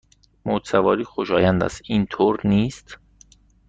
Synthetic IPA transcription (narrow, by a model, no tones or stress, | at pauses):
mod̪sævɒːɾiːxoʃɒːjænd̪æ̰st̪ʔiːnt̪ʰoːɾniːst̪